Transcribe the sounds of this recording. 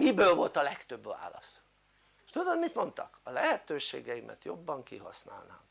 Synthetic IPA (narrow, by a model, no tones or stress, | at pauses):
mibøːlvo̞lt̪ɒlɛkt̪ø̞bʋa̰ːlɒs | ʃt̪ud̪od̪mit̪mo̞nt̪ɒkɒlɛɦɛt̪øːʃḛːɡɛjimʔɛ̰t̪jo̞bːɒŋkiɦɒsna̰ːlnaːm